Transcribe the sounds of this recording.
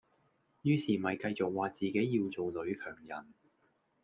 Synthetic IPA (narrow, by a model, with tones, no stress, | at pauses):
jyː˨˧siː˨˩mɐ˨jkɐ˧jt͡so˨k̚waː˨t͡siː˨ke˨˥jːiː˧wt͡so˨wlɵ˨˥ɥkʰœː˨˩ŋjɐ̰˨˩n